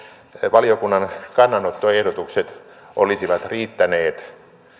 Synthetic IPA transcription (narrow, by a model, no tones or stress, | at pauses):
ʋɑliokunːɑnkɑnːɑnot̪ːoehdot̪ukset̪ | ʔolisiʋɑt̪riːt̪ːæneːt̪